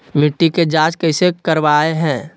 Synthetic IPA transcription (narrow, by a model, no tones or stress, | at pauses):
mɪʈːiked͡ʒaːd͡ʒkəɪsekəɾʋaːeɦɛ̃ː